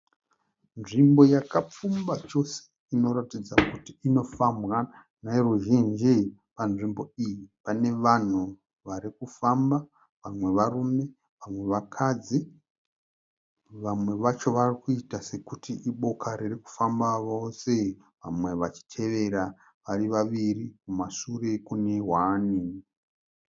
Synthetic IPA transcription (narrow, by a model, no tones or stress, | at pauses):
nʐimbo̞jakap͡fumbat͡ʃo̞se̥ | ino̞ɾatid͡zakutiino̞famɣa | nairuʒind͡ʒi | panʐimbo̞ijipane̞ʋan̤u | ʋaɾikufamba | ʋamwe̞ʋarume̞ | ʋamwe̞ʋakʰad͡zi | ʋamwe̞ʋat͡ʃo̞ʋarikuitase̞kutiʔiɓo̞kʰaɾiriku̥fambaʋo̞se̞ | ʋamwe̞ʋat͡ʃi̥tʰe̞ʋe̞ɾa | ʋariʋaʋirikumasure̞kune̞ɦwani